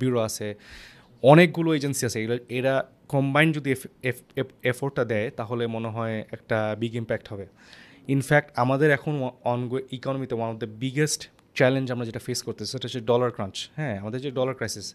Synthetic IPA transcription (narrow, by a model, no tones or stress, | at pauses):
buɾoasʰe | ɔnek̚ɡuloed͡ʑensiasʰeɡuloeɾa | kɔmbajnd͡ʑod̪i | efʰoɹʈːad̪ɛjt̪aɦolemoneɦɔeɛk̚ʈabiɡimpɛk̚ʈɦɔbe | infɛk̚ʈamad̪eɾɛkʰonɔnɡoikɔnomit̪ewanɔbd̪ebiɡesʈ | t͡ɕɛlend͡ʑamɹad͡ʑeʈafeskoɾt̪eiseʈad͡ʑeɖɔlaɹkɾãnt͡ɕhɛ̃amad̪eɾd͡ʑeɖɔlaɾkɾajsis